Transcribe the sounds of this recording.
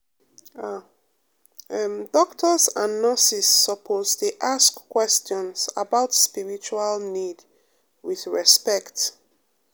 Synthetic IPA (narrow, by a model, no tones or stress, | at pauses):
a | dɔktʰɔzãnːəsisːɔpʰozteʔaskːwɛstjɔ̃nsa̰baʊtspiɹit͡ʃualnid | wiðɹɛspɛkt